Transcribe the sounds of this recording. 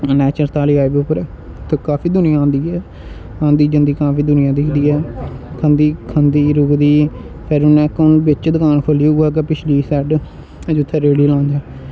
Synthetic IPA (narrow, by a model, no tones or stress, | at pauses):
nɛːt͡ʃəɾt̪aːliːaːibʊpəɾɛː | t̪ekaːpiːd̪ʊnɪjãːãːnd̪iːɛː | ãːnd̪iːd͡ʒɪ̃nd̪iːkaːpiːd̪ʊnɪjãːd̪ɪkʰd̪iːɛːkʰə̃nd̪iːkʰənd̪iːɾʊkd̪iː | pʰɪɾʊnɛ̃ːkʊbɪt͡ʃd̪əkaːnkʰəliːaːk̬epɪt͡ʃʰliːsɛːɖ | d͡ʒʊt̪ʰːɛːɾeːɽiːlãːnd͡ʒ̪ɛː